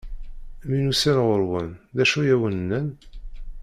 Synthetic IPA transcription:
minusænʁoɾwənðæʃujæwənnːən

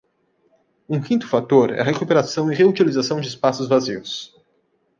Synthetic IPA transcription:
ũkĩnt̪ʊ̥fat̪oɾɛ̰ɐɦekupeɾasɐ̃w̃ɪʁeut͡ʃilizasɐ̃w̃d͡ʒɪspasʊzvaziʊs

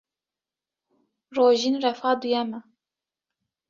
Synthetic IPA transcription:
roːʒinrɛfɑːd̪ujɛmɛ

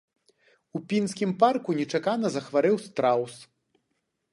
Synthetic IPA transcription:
upʲinsʲkʲimparkunʲɛt͡ʂakanɐzɐxvaɾɨwst̪ɾaws

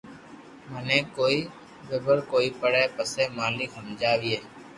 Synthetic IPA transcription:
mənẽːkoːiː | bebəɾkoːiːpəɽeːpəseːmaːlikɦəmd͡ʒaːʋiːeː

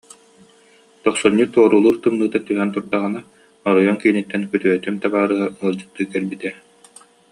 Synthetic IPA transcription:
t̪ɔqsuɲːiːt̪uɔɾulˠuːɾt̪ɯmnɯːt̪at̪yɦɛnt̪uɾd̪aʁɯna | ɔɾɔjɔnkiːnit̪ːɛnkyt̪yœt̪ymt̪abaːɾɯɦauɔlˠd͡ʑɯt̪ːɯːkɛɾbit̪ɛ

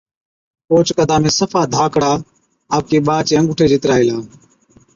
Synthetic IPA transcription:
oːt͡ʃkəd̪ʱaːmẽːsəfaːd̪ʱaːkɽaː | aːp̚keːɓaːt͡ʃeə̃ŋɡʊʈʰeːd͡ʒʱɪt̪ɾaːilãː

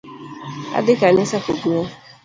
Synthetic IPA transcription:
a̰dɪkanɪsakoɡuɔ

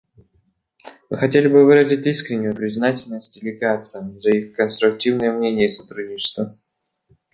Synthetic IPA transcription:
mɨxɐtʲelʲɪbɨvɨɾəzʲɪtʲiskɾʲɪnʲːɪjʊpɾʲɪznatʲɪlʲnəsʲt̚ʲdʲɪlʲɪɡat̪sɨjəzɐixkənst̪ɾʊk̚tʲivnɨjəmnʲenʲɪjəsɐt̪ɾudʲnʲɪt͡ɕɪ̥st̪və

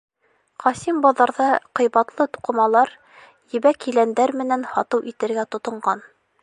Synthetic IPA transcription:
qʰɑsimbɑðɑɾðɑqɤ̆jβɑt̪lˠɤt̪u̥qɤ̆mɑlˠɑɾ | jɘ̆βækilænd̪æɾmɘ̆nænhɑt̪ɤwʔit̪ɘ̆ɾɡæt̪ŏt̪ŏɴɢɑn

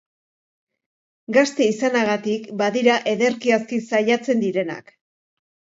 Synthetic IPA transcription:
ɡast̪e̞isanaɣ̞at̪ikbaðiɾaʔe̞ðe̞ɾkiaskisajat͡se̞nd̪iɾe̞na̰k

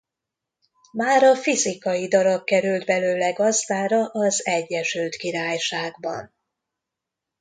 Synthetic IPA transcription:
maːɾɒfizikɒjid̪ɒɾɒɡ̚kɛɾyld̪bɛløːlɛɡɒzd̪aːɾɒʔɒzɛɟːɛʃylt̪kiɾaːjʃaːɡbɒ̰n

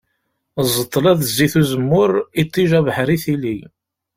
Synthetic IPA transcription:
zˤːət̪ˤːəlæðzːiθuzəmːʊɾit̪ˤːiʒævħɾiθili

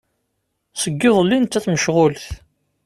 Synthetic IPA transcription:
səɡːɪðˤlːint̪ːæθməʃʁʊlθ

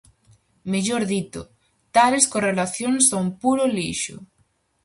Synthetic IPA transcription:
meʎoɾðit̪ʊ | t̪aleskorelaθjoŋsaumpuɾʊliʃʊ̰

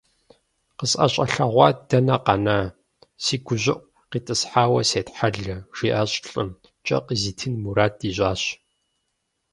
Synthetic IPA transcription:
qəsʼɐ̰ɕʼɐɬɐʁʷɑːd̥ɐnɐqɑnaː | siːɡʷʊʑɪʔʷ | qiːtʼɨsħaːwɐseːtħaɮɐʒ̥iːʔɐɕʼɬʼɨ̰m | t͡ʃʼɐ̰qʼziːtʰɨnmuɾaːt̚diːɕʼaːɕ

